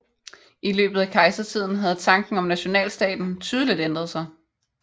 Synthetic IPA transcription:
ʔilø̰ːb̥ð̞̩ˠækʰɑ̈ɪsɐt͡sʰið̞̰ˠn̩ɦæð̞̩ˠt͡sʰɑ̈ŋɡ̥n̩ɒ̽mnæɕo̝nɛ̰ːlsd̥ɛ̰ːd̥n̩t͡sʰyːðˠəlid̥end̥ʁɐðˠsɑ̈ɪ

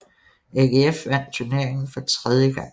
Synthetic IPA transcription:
eɡ̥eefʋæn̰d̥t͡sʰuɐne̝ɐ̰eŋn̩fɒ̽t͡sʰʁɛð̞ˠjəɡ̥ɑ̈ŋ̰

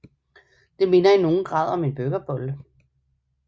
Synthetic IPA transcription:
d̥e̝me̝nɐino̝ːn̩ɡ̥ʁɑ̈ðˠɒ̽me̝nb̥øɡ̥ɐb̥ɔlə

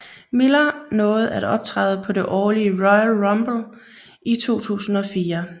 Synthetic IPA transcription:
melɐnɔ̽ːð̞̩ˠæɾ̥ɒ̽b̥̚t͡sʰʁɑð̞̩ˠəpʰɒ̽de̝ʔɒːliəʁɔɪælʁɒmb̥l̩ | it͡sʰo̝̰ːt͡sʰṵːsn̩ɒ̽fiːɐ

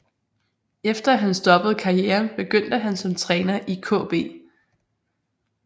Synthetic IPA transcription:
efd̥ɐæɦænsd̥ɒ̽b̥əð̞̩ˠkʰɑ̈ʁieːɐnb̥e̝ɡ̥øn̰d̥əɦænsɒ̽mt͡sʰʁɛːnɐʔikʰɔ̰̽ːb̥e̝̰ː

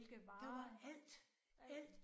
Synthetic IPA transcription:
d̥ɑ̈ʋɑ̈æl̰d̥ | æl̰d̥

